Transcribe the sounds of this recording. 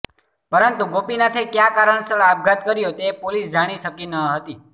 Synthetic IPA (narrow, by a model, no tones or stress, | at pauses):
pəɾənt̪uɡopinat̪ʰekjakaɾəɳsəɭab̚ɡʱat̪kəɾjot̪epolisd͡ʒaɽ̃iʃəkinəɦət̪i